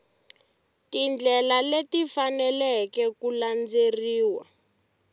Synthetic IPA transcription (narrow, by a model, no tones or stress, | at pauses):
tind͡ɮɛlaletifanɛlɛkɛkuland͡zeriːwa̰